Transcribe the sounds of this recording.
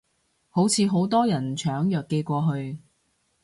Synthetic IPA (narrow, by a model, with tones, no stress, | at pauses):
ho˨˥wt͡sʰiː˨˧ɦo˨˥wt̪ɔː˥jɐ˨˩nt͡ʃʰœː˨˥ŋjœː˨kːe˧jkʷɔː˧ɦɵ˧ɥ